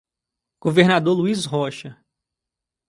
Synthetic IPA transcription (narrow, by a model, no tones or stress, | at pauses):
ɡ̥oveɾnad̪oɾluisɦɔʃɐ